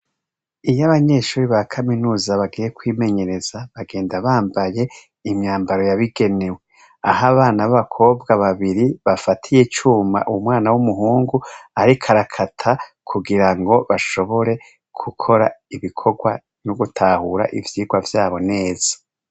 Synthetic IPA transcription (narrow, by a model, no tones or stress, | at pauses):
ijaβaɲe̞ːʃuːɾiβakʰaminuːzaβaɡiːje̞kwiːme̞ɲe̞ɾe̞z̥aβaɡe̞ːndaβaːmbaje̞ | imɲaːmbaɾo̞jaβiɡe̞newe̞ | ahaβaːnaβaβakʰo̞ːbɡaβaβiɾiβafatʰije̞t͡ʃuːma̰ʔumŋaːnawumuɦuːŋɡuaɾikʰaɾakʰatʰa | kʰuɡiɾaŋɡo̞βaʃo̞βo̞ɾe̞ | kʰukʰo̞ɾaiβikʰo̞ɡwa | nuɡutʰahuɾa̰ʔivjiːɡwavjaːβo̞ne̞ːz̥ḁ